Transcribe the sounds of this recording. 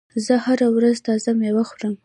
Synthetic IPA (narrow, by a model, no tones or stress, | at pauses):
zəhaɾawɾazt̪ɑzamewaxuɾəm